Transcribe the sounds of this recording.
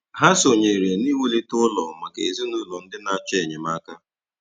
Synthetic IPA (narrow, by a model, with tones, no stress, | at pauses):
ɦa˦so˨ɲe˨ɾe˨ni˦we˦li˦tʊ˦ʊ˦lɔ˨ma˨kḛ˨zi˦nu˦lɔ˨n̩˦dɪ˦na˦˨a˦t͡ʃe˦˨ɲɪ˨ma˦ka˦